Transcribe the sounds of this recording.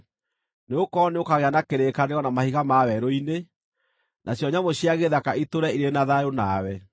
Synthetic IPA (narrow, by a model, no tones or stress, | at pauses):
neokɔneokaɣeanakeɾekaneɣɔnamahiɣamawɛɾoine | nʔaɕjɔɲamoɕiaɣeðakaitoɾɛiɾenaðajonaːwɛ